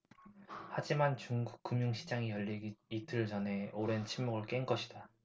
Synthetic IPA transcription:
had͡ʑimant͡ɕuŋɡuk̚k͈ɯmjuŋɕʰid͡ʑaŋijʌʎːiitʰɯɭd͡ʑʌnɦe̞oɾe̞nt͡ɕʰimmoɡɯɭk͈enɡʌɕʰida

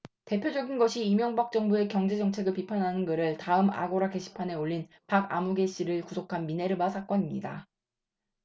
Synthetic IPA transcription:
te̞pʰjod͡ʑʌɡinɡʌɕʰiːmjʌŋbak̚t͡ɕ͈ʌŋbue̞kjʌŋd͡ʑe̞d͡ʑʌŋt͡ɕʰe̞ɡɯɭpipʰanɦanɯnɡɯɾɯɭtaɯma̰ɡoɾake̞ɕʰi̥pʰane̞oʎːin | paɡa̰muɡe̞ɕ͈ʰiɾɯɭkusʰokʰanmine̞ɾɯbasʰak͈ʌɲimɲida

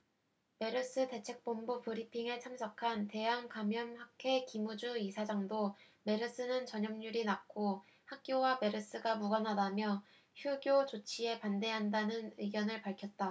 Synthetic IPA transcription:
me̞ɾɯs͈ɯte̞t͡ɕʰe̞k̚p͈ombupɯɾipʰiŋeɭt͡ɕʰamsʰʌkʰante̞ɦaŋkamjʌmhakʰe̞kimud͡ʑuisʰad͡ʑaŋdo | me̞ɾɯs͈ɯnɯnt͡ɕʌɲʌmɲuɾinak̚k͈o | hak̚k͈jowame̞ɾɯs͈ɯɡamuɡʌnɦadamjʌ | çjuɡjot͡ɕot͡ɕʰie̞pande̞ɦandanɯnɯiɡjʌnɯɭpaɭkʰjʌt̚t͈a

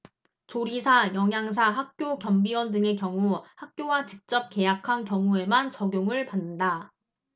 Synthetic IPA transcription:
t͡ɕoɾisʰajʌŋjaŋsʰaɦak̚k͈jokjʌmbiwʌndɯŋe̞kjʌŋuhak̚k͈jowat͡ɕik̚t͡ɕ͈ʌp̚k͈e̞jakʰankjʌŋue̞mant͡ɕʌɡjoŋɯɭpanːɯnda

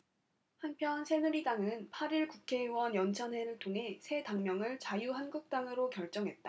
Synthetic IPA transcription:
hanpʰjʌnsʰe̞nɯɾidaŋɯnpʰaɾiɭkukʰe̞wʌnjʌnt͡ɕʰʌnɦe̞ɾɯɭtʰoŋɦe̞sʰe̞taŋmjʌŋɯɭt͡ɕajuɦanɡuk̚t͈aŋɯɾokjʌɭt͡ɕ͈ʌŋɦe̞t̚t͈a

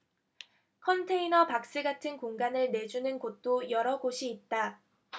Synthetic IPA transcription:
kʰʌntʰe̞inʌpak̚s͈ɯɡatʰɯnkoŋɡanɯɭne̞d͡ʑunɯnkot̚t͈ojʌɾʌɡoɕʰiːt̚t͈a

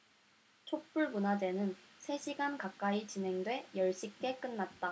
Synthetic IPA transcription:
t͡ɕʰok̚p͈uɭmunad͡ʑe̞nɯnsʰe̞ɕʰiɡankak͈̚ait͡ɕinɦe̞ŋdwe̞jʌɭɕ͈ik̚k͈e̞k͈ɯnːat̚t͈a

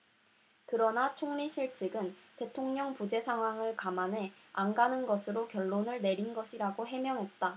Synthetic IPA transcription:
kɯɾʌnat͡ɕʰoŋɲiɕʰiɭt͡ɕ͈ʰɯɡɯnte̞tʰoŋɲʌŋpud͡ʑe̞sʰaŋɦwaŋɯɭkamanɦe̞anɡanɯnɡʌsʰɯɾokjʌɭːonɯɭne̞ɾinɡʌɕʰiɾaɡoɦe̞mjʌŋɦe̞t̚t͈a

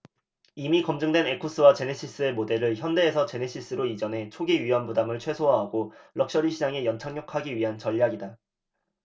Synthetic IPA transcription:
imikʌmd͡ʑɯŋdwe̞ne̞kʰus͈ɯwat͡ɕe̞neɕʰis͈ɯe̞mode̞ɾɯɭçjʌnde̞ːsʰʌt͡ɕe̞neɕʰis͈ɯɾoid͡ʑʌnɦe̞t͡ɕʰoɡiɥiʌnbudamɯɭt͡ɕʰwe̞sʰoɦaɦaɡoɭʌk̚ɕ͈ʌɾiɕʰid͡ʑaŋe̞jʌnt͡ɕʰaŋɲokʰaɡiɥiɦant͡ɕʌʎːaɡida

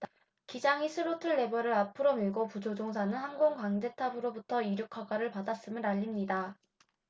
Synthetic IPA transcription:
kid͡ʑaŋisʰɯɾotʰɯɭːe̞bʌɾɯɾapʰɯɾomiɭɡopud͡ʑod͡ʑoŋs̬ʰanɯnɦhanɡoŋkwaŋd͡ʑe̞tʰabɯɾobutʰʌiɾjukʰaɡaɾɯɭpadas͈ɯmɯɾaʎːimɲida

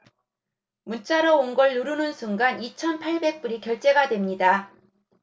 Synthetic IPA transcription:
munt͡ɕ͈aɾʌonɡʌɭːuɾunɯnsʰuŋɡanit͡ɕʰʌnpʰaɭbe̞k̚p͈uɾikjʌɭt͈e̞ɡadwe̞mɲida

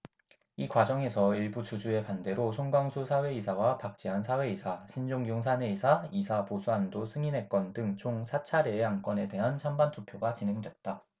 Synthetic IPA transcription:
ikwad͡ʑʌŋe̞sʰʌiɭbut͡ɕud͡ʑue̞pande̞ɾosʰoŋɡwaŋsʰusʰawe̞isʰawapak̚t͡ɕ͈iɦansʰawe̞isʰaɕʰind͡ʑoŋjoŋs̬ʰane̞isʰaisʰaposʰuandos͈ʰɯŋinɦe̞k͈ʌndɯŋt͡ɕʰoŋsʰat͡ɕʰaɾeːank͈wʌne̞de̞ɦant͡ɕʰambantʰupʰjoɡat͡ɕinɦe̞ŋdwe̞t̚t͈a

